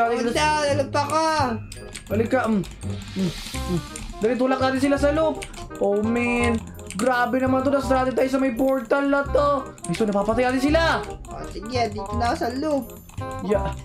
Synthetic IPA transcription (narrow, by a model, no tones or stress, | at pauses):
aːt̪ɪd̪aɐlʊpɐka | bɐlɪkːaʔm | d̪aːlɪt̪uːlɐk̚naːt̪ɪnsɪlas̬ɐlup̚ʔomɪn | ɡɾaːbɛnɐmant̪onɐsd̪ɾaːd̪ɪt̪aːjs̬ɐmɐjpoɹt̪ɐlnɐt̪o | ɐsonɐpaːpɐt̪ɐjnaːt̪ɪnsɪlao̰sɪɡɛd̪ik̪ʊnasɐlup̚ | jaʔ